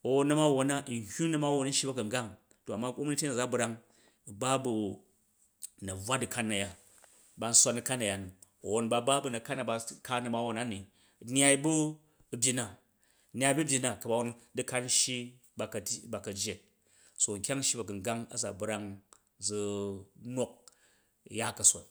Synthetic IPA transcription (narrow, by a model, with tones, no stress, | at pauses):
o˨wo˦nːɐ˦ma˦˨wo˦na˦˨n̩˨˦hʲu˦nɐ˦ma˦wo˦˨n˦n̩˦ʃi˦bɐ˦kɐ˨ŋ˨ɡa˦ŋ | to˨a˨mːa˦ko˦m˦nɨ˦tʲe˦na˨d͡za˨˦bɾa˦ŋ˨ | ba˦bu˨ | nɐ˨b͡vʷa˦dɨ˨ka˦nːa˨ja˦ | ba˨˧n̩˦sʷa˧nɨ˨ka˦na˨ja˨nu˨ | wo˨nba˨˧ba˦bu˦nɐ˨ka˦nːa˨ba˧ka˦nɐ˨ma˦wo˨na˦ni˨ | nʲ˦a˧i˦bu˦˨ | bʲji˧na˨ | nʲ˦a˧˦bu˦bʲi˧na˨kɐ˨ba˨wo˦ndɨ˦ka˦nn˦ʃi˦ | ba˨kɐ˨ba˨kɐ˨d͡ʒje˨t̚ | so˨ŋ̩˨kʲa˦ŋ̩˦ʃi˦bɐ˨ɡɨ˨ŋ˨ɡa˦ŋɐ̰˨d͡za˨bɾa˦ŋ | d͡zu˧no˦k̚ | ja˦˨kɐ˨sʷa̰˨t